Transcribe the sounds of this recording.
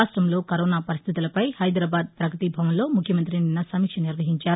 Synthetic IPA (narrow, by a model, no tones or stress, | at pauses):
aːsʈɾɐmlo̞ːkɐɾoːnaːpɐɾist̪ʰit̪ulɐpɐjhɐjd̪ɾaːbaːd̪̚pɾɐkɐt̪ibʱɐʋɐnlo̞ːmukʰjɐmɐnt̪̬ɾininːɐsɐmiːkʂɐniɾʋɐɦiɲt͡ʃaːɾu